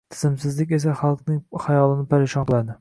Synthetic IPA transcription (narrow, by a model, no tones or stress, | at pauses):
t̪ʰɪ̥zɪmsɪzlɪkʲes̬ɛχɑlˠqnɪŋχɑjɒlˠɪnɪpʰæɾeʃɑnqɨlˠad̪ɪ